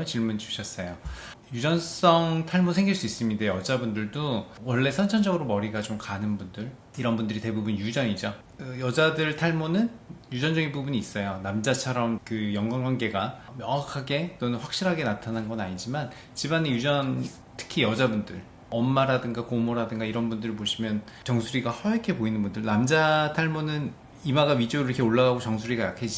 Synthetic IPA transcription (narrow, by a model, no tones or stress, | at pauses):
t͡ɕiɭmund͡ʑu̥ɕʰʌs͈ʌjo | jud͡ʑʌns͈ʌŋtʰaɭmosʰe̞ŋɡiɭs͈uis͈ɯmɲindejʌd͡ʑabundɯɭdowʌɭːe̞sʰʌnt͡ɕʰʌnd͡ʑʌɡɯɾomʌɾiɡat͡ɕomkanɯnbundɯɭ | iɾʌnbundɯɾite̞bubunjud͡ʑʌɲid͡ʑo | kɯjʌd͡ʑadɯɭtʰaɭmonɯnjud͡ʑʌnd͡ʑʌɡinbubuɲiːs͈ʌjonamd͡ʑat͡ɕʰʌɾʌmkɯjʌŋɡwaŋɡwanɡe̞ɡamjʌŋakʰaɡe̞t͈onɯnɸwak̚ɕ͈iɾɦaɡe̞natʰananɡʌnaɲid͡ʑiman | t͡ɕimanejud͡ʑʌn | tʰɯ̥kʰijʌd͡ʑabundɯɭ | ʌmːaɾadɯŋɡakomoɾadɯŋɡaiɾʌnbundɯɾɭpoɕʰimjʌnt͡ɕʌŋsʰuɾiɡahʌʌkʰe̞poinɯnbundɯɭnamd͡ʑatʰaɭmonɯn | imaɡaɥid͡ʑoɾɯɾʌkʰeoɭːaɣaɡot͡ɕʌŋsʰuɾiɡajakʰed͡ʑi